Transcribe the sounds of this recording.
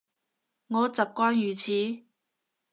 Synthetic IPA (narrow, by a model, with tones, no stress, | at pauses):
ŋɔː˨˧t͡sɐ˨p̚kʷɔː˥njyː˨˩t͡sʰiː˨˥